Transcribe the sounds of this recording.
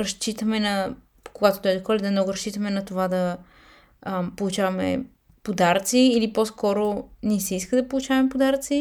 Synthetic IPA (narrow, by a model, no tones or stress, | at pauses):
ɾɐʃt͡ʃit̪əmɛnɐ | koɡat̪o̥t̪ɔjd̪okɔlʲɛd̪ɐmnɔɡʊɾɐʃt͡ʃit̪əmɛnɐt̪ovad̪ɐ | polˠut͡ʃavɐmɛ̰ | pod̪aɾt̪siːliposkɔɾonɛsɛiskəd̪ɐpolˠut͡ʃavɐmɛpod̪aɾt̪si